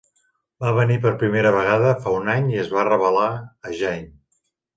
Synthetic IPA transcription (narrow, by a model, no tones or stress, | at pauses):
baβənipəɾpɾimeɾəβ̞əɣ̞aðəfaunaɲiəzβarəβəlaəʒɛɲ